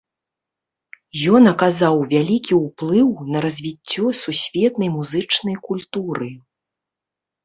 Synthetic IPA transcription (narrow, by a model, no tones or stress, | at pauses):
jɔnɐkazawvʲalʲikʲiwplˠɨwnɐɾɐzʲvʲit͡sʲːɔsusʲvʲɛt̪nɐjmuzɨt͡ʂnɐjkulʲt̪uɾɨ